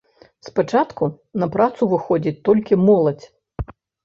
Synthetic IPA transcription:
spat͡ʂat̪ku | nɐpɾat̪suvɨxɔd͡zʲit͡sʲt̪ɔlʲkʲimɔlˠɐt͡sʲ

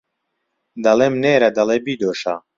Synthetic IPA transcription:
d̪ɐleːmneːɾɐd̪ɐleːbiːd̪oːʃa̰

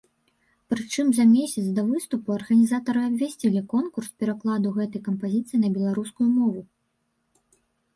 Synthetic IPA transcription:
pɾɨt͡ʂɨmzɐmʲesʲɐt̪sd̪ɐvɨst̪upuɐrɣɐnʲizat̪ɐɾɨɐbʲvʲasʲt͡sʲilʲikɔnkurspʲɛɾaklˠad̪uɣɛt̪ɐjkɐmpazʲit̪sɨjnɐbʲɛlˠaɾuskujumɔvu

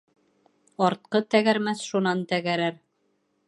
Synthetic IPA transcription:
ɑɾt̪̚qɤt̪æɣæɾmæθʃunɑnt̪æɡæɾæɾ

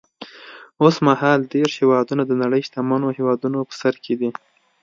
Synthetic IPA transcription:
osmahɑlɖeɾhewɑd̪unad̪ənaɽəjʃt̪amanohewɑd̪unopə̥saɾkʰed̪i

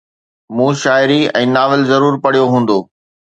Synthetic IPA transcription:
mũːʃaːɪɾiɛ̰̃ːnaːʋɪlzɐɾuːɾpɐɽ̤ijoɦũːn̆d̪oː

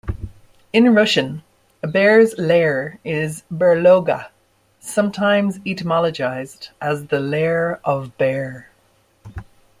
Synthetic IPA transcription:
ɪ̃nɹʊʃə̃n | əbɛɹzlɛəɹɪzbə˞loʊɡə̰ | sʌ̃mtʰãɪ̃mzitəmɑləd͡ʒaɪzdʔəzðəlɛəɹəvbɛːɹ

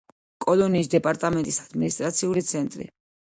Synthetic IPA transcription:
kʼɔlɔniːsd̪ɛpʼaɾt̪ʼamɛnt̪ʼisad̪̥minist̪ʼɾat̪sʰiulit̪sʰɛnt̪ʼɾḭ

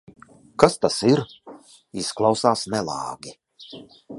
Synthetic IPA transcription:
kast̪asiɾ | isklˠɑwsaːsnɛlˠɑ̰ːɡʲi

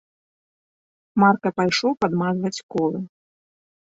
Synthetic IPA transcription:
markɐpajʂɔwpad̪mazvɐt͡sʲkɔlˠɨ

